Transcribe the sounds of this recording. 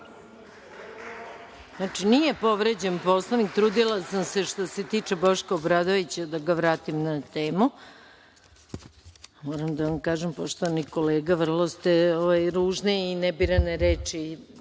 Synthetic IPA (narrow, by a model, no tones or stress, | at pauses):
naːt͡ʂinije̞po̞ʋɾed͡ʑenpo̞slˠoʋnik̚t̪ɾuːd̪ilasamse̞ʂt̪ose̞t̪iːt͡ʂebo̞ʃkaobɾad̪oʋit͡ɕad̪aɡaʋɾaːt̪imnat̪eːmu | moːɾamd̪aʋamkaːʒempoʃt̪oʋanikoleːɡaʋr̩lˠost̪eoʋajɾuːʒneinɛbiɾaneɾeːt͡ʂi